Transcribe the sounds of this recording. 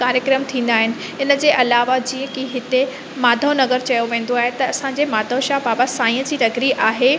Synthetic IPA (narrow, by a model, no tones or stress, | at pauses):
kaːɾjəkɾəmt̪ʰĩːn̆d̪aːɦɪnɪ̆ | ɪnə̆d͡ʑeːʔɐlaːʋad͡ʑĩːə̃kiɦɪt̪e | maːd̪ʱənɐɣəɾt͡ɕɐjoʋẽːn̆d̪oaːɦet̪ɐɐsãɲd͡ʑemaːd̪ʱoʃaːbaːbasãːĩə̃d͡ʑiːɾɐɡɾiʔaːɦe